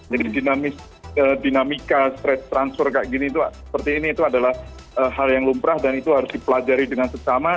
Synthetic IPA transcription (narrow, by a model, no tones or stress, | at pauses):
d͡ʒadidinamɪs | ədinamikast̪ɾɛt͡ʃt̪ɾansfərka̰ʔɡinit̪usə̥pərt̪iːniːt̪uadalah | əːɦaljaŋlumpɾahdanit̪uɦaɾʊsdipəlad͡ʒaɾidəŋansəsama